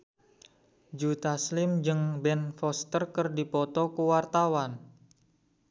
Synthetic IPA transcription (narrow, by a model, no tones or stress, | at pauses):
d͡ʒut̪aslɪmd͡ʒɨŋbɛnfɔst̪ərkərdipɔt̪ɔkuwart̪awan